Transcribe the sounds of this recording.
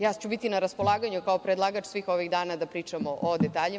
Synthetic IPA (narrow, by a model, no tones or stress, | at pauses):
jaːt͡ɕubit̪inaɾaspolˠaːɡaɲukaopɾed̪lˠaːɡat͡ʃsʋiːxo̞ʋiɣd̪aːnad̪apɾiːt͡ʂamoʔod̪et̪aːʎi